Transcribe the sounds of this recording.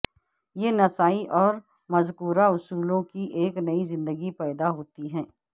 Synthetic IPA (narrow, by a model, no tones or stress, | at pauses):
jeːnɐsaːiʔɔːɾ | mɐzkuːɾaʊsuːlõkiʔeːknɐizɪ̃nd̪əɡipɛːd̪aɦoːt̪iɦɛ̃ː